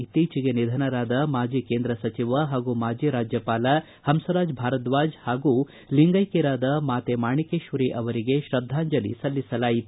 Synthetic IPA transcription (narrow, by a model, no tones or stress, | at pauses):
it̪iːt͡ʃiɡenid̪ʱɐnɐɾaːd̪ɐmaːd͡ʒiːkeːnd̪ɾɐsɐt͡ʃiʋɐɦaːɡumaːd͡ʒiːɾaːd͡ʒjɐpaːlɐ | hɐmsɐɾaːd͡ʒbʱaːɾɐt̪ʋaːd͡ʒhaːɡu | liŋɡɐjkiɾaːd̪ɐmaːt̪emaːɳikeːʃʋɐɾiʔɐʋɐɾiɡe̞ʃɾɐd̪ʱːaːɲd͡ʒɐlḭsɐlːisɐlaːjit̪u